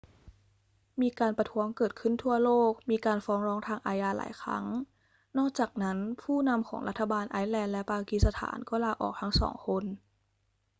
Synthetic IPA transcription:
miː˧kaː˧npa˧t̪ʰu˦˥əŋkɤː˨˩t̪̚kʰɯ˥˩nt̪ʰu˥˩ɐloː˥˩k̚miː˧kaː˧nfɔː˦˥ŋɾɔː˦˥ŋt̪ʰaː˧ŋʔaː˧jaː˧la̰ː˩˦jkʰɾa̰˦˥ŋ | nɔː˥˩k̚t͡ɕaː˨˩k̚na˦˥npʰuː˥˩na˧mkʰɔ̰ː˩˦ŋɾʔa˦˥t̪ʰːa˧baː˧nʔa˧˦˥jlɛː˧nlɛ˦˥paː˧ki˨˧˩sa˧t̪ʰa̰ː˩˦nkɔː˥˩laː˧ʔɔ̰ː˨˩k̚t̪ʰa˦˥ŋsɔ̰ː˩˦ŋkʰo˧n

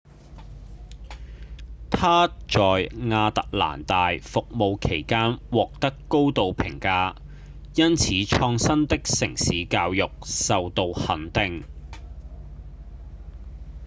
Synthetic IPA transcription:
t̪ʰaː˥t͡ʃɔː˨jŋaː˧t̪ɐ˨k̚la̰ː˨˩nt̪aː˨jfʊ˨k̚mo˨˧wkʰe˨˩jkaː˥nwɔː˨k̚t̪ɐ˥kːo˥wt̪o˨˧wpʰɪ̰˨˩ŋkaː˧ | jɐ˥nt͡sʰiː˨˥t͡ʃʰɔː˧ŋsɐ˥nt̪ɪ˥k̚sɪ˨˩ŋsiː˨˥kaː˧wjʊ˨k̚sɐ˨wt̪o˧whɐ˨˥nt̪ɪ˨ŋ

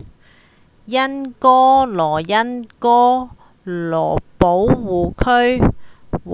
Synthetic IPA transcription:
jɐ˥nkɔː˥lɔː˨˩jɐ˥nkɔː˥ | lɔː˨˩po˨˥wwuː˨kʰɵ˥ɥ

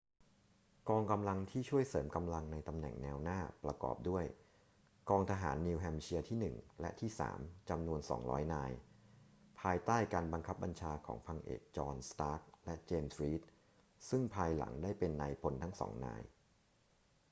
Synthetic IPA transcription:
kɔː˧ŋka˧mla˧ŋt̪ʰiː˥˩t͡ɕʰu˥˩əjsɤː˩˦mka˧mla˧ŋna˧jt̪a˧mnɛ̰˨˩ŋnɛː˧wnaː˥˩pɾa˧kɔ̰ː˨˩p̚du˥˩əj | kɔː˧ŋt̪ʰa˧ɦa̰ː˩˦nːi˧wɦɛ˧mt͡ɕʰi˧ət̪ʰiː˥˩nɯ˨˩ŋlɛ˦˥t̪ʰiː˥˩sa̰ː˩˦mt͡ɕa˧mnu˧ənsɔ̰ː˩˦ŋɾɔ̰ː˦˥jnaː˧j | pʰaː˧jt̪aː˥˩jkaː˧nba˧ŋkʰa˦˥p̚ba˧nt͡ɕʰaː˧kʰɔ̰ː˩˦ŋpʰa˧ŋʔḛː˨˩k̚t͡ɕɔː˧nst̪aː˦˥k̚lɛ˦˥ʔt͡ɕeː˧msɾiː˦˥t̪̚ | sɯ˥˩ŋpʰaː˧jla̰˩˦ŋdaː˥˩jpe˧nːa˧jpʰo˧nt̪ʰa˦˥ŋsɔ̰˩˦ŋna̰ː˧j

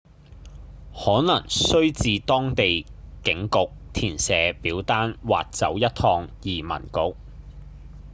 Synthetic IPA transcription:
hɔː˨˥nɐ˨˩ŋsɵ˥ɥt͡siː˨˧t̪ɔː˥ŋt̪e˨jkɪ˨˥ŋkʊ˨k̚t̪ʰiː˨˩nsɛː˨˧˥piː˨˥wt̪aː˥nwa̰ː˨t̚t͡sɐ̰˨˥wjɐ˥t̚t̪ʰɔː˧ŋjiː˨˩mɐ̰˨˩nkʊ˨˧k̚

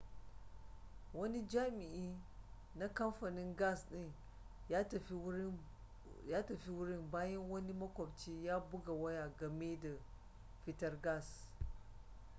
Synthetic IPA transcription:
wɐ˦ni˦d͡ʒaː˦mi˨ʔi˦ | na˦kɐ˦mɸɐ˨ni˦ŋɡa˦˨sɗi˦n˦˨˦ | ja˦tɐ˨ɸi˦wu˦ɾi˦nbaː˦jɐ˦nwɐ˦ni˦mɐ˦kʷo˨bt͡ʃi˦ja˦bu˦ɡa˨wɐ˦ja˨ɡɐ˨me˦da˨ | fi˦tɐ˦ɾɡa˦˨s

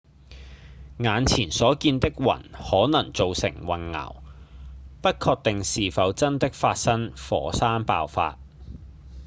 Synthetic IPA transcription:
ŋaː˨˧nt͡sʰiː˨˩nsɔː˨˥kiː˧nt̪ɪ˥k̚wɐ̰˨˩nhɔː˨˥nɐ˨˩ŋt͡so˨wsɪ̰˨˩ŋwɐ˨˩nŋɐ̰˨˩w | pɐ˥t̚kʰɔː˧k̚t̪ɪ˨ŋsiː˨fɐ˨˧wt͡sɐ˥nt̪ɪ˥k̚faː˧t̚sɐ˥ŋfɔ̰ː˨˥saː˥npa̰ː˧wfa̰ː˧t̚

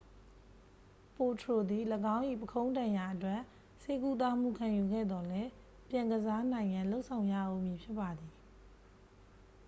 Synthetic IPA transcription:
po˨tʰɹo˨d̪i˨ləɡã˦ʊ̃ʔḭ˦˨pəkʰõ˦ʊ̃ndã˨ja˨ʔətwɛ˦˨ʔ | se˦ku˦t̪̬a˦˨m̥ṵ˦˨kʰã˨ju˨ɡɛ̰˦˨d̪ɔ˨lɛ˦ | pjã˨ŋɡəza˦n̥ã˨ɪ̃ŋjã˨lo˦ʊʔsʰã˨ʊ̃ja̰˦˨ʔo˨mji˨pʰjɪ˦pːa˨d̪i˨

